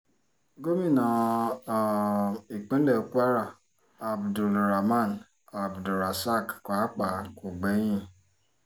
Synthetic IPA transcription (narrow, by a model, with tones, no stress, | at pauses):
ɡo˦mi˦˨na˨ | i˨k͡pe˦le˨˦ku˦a˦ɾa˦˨ | a˨bdu˨lɾa˨ma˦˨n˨ | a˨bdu˨ɾa˨sa˦˨kkʷa˨˦k͡pa˨˦ko˨ɡ͡be˨˦jĩ˦